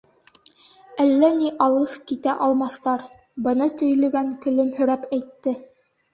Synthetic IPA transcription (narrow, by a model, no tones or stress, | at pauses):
ælːæniʔɑlˠɤθkit̪æʔɒlˠmɑθt̪ɑɾ | bɤ̆nɤt̪ɵ̆jlɵ̆ɡæŋkɵ̆lɵmhɵ̆ɾæpæjt̪ːɘ